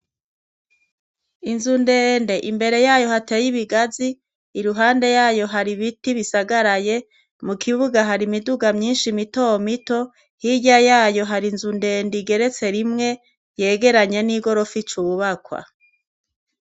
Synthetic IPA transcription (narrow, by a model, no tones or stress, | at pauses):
inzunde̞ːndeʔimbe̞ɾe̞jaːjo̞hate̞ːjiβiɡaziː | ɾuɦaːnde̞jaːjo̞ɦaɾiβitiβisaɡaɾaje̞ | mukʰiβuɡaɦaɾimiduɡamɲiːnʃimitomito̞ | hiɟajaːjo̞ɦaɾinzunde̞ːndiɡe̞ɾe̞t͡se̞ɾimŋe̞ | je̞ːɡe̞ɾaɲeniɡo̞ɾo̞fit͡ʃuβuβakwa̰